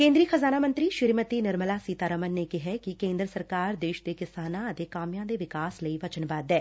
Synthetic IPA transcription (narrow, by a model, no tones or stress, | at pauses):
kẽːnd̪ɾijəxɐzaːnamə̃nt̪ɾiʃɪɾmət̪inɪɾməlasiːt̪aːɾəmənːekɪɦɛkikẽːnd̪ɾəsəɾkaːɾd̪eːʃd̪ekɪsaːnãɐt̪ekaːmijãd̪eʋɪkaːsləiʋɐt͡ʃənbaːd̪ɛː